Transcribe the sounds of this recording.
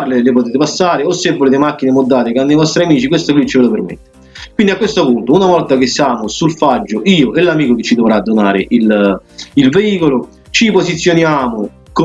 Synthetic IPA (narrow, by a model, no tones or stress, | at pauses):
rlelɪpot̪eːt̪̬ɪpasːaːɾɪosːevːoleːt̪̬ɪmakːinemod̪ːaːt̪ɪkanːoivɔst̪ɾiamiːt͡ʃik̬west̪oklit͡ʃːɪvelopermḛt̪ːɪ | kwind̪iakwest̪opunt̪ounavɔlt̪ak̟esːjaːmosulfad͡ʒːoʔiːoʔelːamiːkok̟et͡ʃːid̪ovɾad̪ːonaːɾɪʔililveiːkolo | t͡ʃiposit̪sːjonjaːmʊ | k